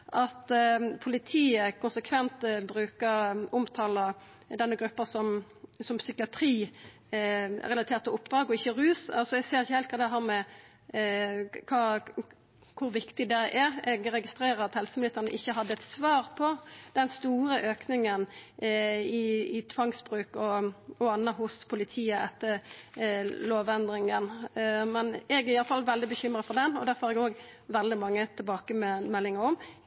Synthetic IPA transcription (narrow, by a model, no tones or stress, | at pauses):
ʔɑt̪pʰʊlɪt̪ʰiːəkʰʊnsəkʰʋɛnt̪bɾʉːkəɾʊmt̪ʰɑːlə | d̪ɛnːəɡɾʉpːəsɔm | sɔmsʏkɪɑt̪ʰɾiː | ɛ̰ʁɛlɑt̪ʰeːt̪ɔʊpːd̪ɾɑːɡɔɪçːəɾʉːsɑlsɔɛɡseːɾɪçːəhɛːlt̪kʰɑːd̪ɛɦæːɾmɛ | kʰɑː | kʰʊɾʋɪkt̪ɪd̪ɛʔæɾɛɡɾɛɡɪst̪ɾeːɾəɾɑt̪hɛlsəmɪnɪst̪əɾnə̰ʔɪçːəɦɑd̪ːəɛt̪sʋɑːʁpʰɔd̪̥ɛnst̪uːɾəʔøːknɪŋən | ɪɪt̪ʰʋɑŋsbɾʉːkɔɔɑnːəhʊspʰʊlɪt̪ʰiːəʔɛt̪ːə | loːʋɛnd̪ɾɪŋənmɛnɛɡæɾɪjɑləfɑlːʋɛld̪ɪbəçʏmɾəfɔʁd̪ɛnɔd̪æːɾfɔæɾɛɡoːɡʋɛld̪ɪmɑŋːət̪ʰɪlbɑːkəmɛmɛlːɪŋəɾɔm